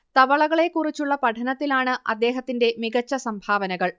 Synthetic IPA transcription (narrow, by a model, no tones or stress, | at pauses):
t̪ɐʋɐɭɐɣɐɭe̞kːurit͡ɕːuɭːɐpɐʈʰɐnɐt̪ːilaːɳɨʔɐ̰d̪ːe̞ːɦɐt̪ːinde̞miɣɐt͡ɕːɐsɐmbʱaːʋɐnɐɣɐɭ